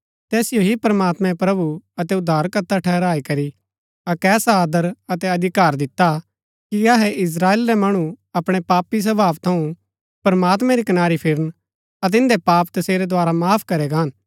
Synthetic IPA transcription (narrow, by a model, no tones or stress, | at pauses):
t̪ɛːsɪjoɦipɐɾmaːt̪mɛ̃pɾɐbuɐt̪ɛʊd̪ʱːaːɾkɐt̪ʰːaʈʰɛːɾaːikɐɾi | akɛːsaaːd̪əɾɐt̪ɛɐd̪ʱɪkaːɾd̪ɪt̪ːa | kiɐɦɛʔɪs̬ɾaːeːlɾɛmɐɽ̃uɐpɽ̃epaːpis̬ɐbʱaːʋt̪ʰɐũ | pɐɾmaːt̪mɛ̃ɾikɐnaːɾipʰɪɾən | ɐt̪̬ɪ̃nd̪epaːpt̪ɐseːɾɛd̪oaːɾamaːpʰkɐɾɛɡaːn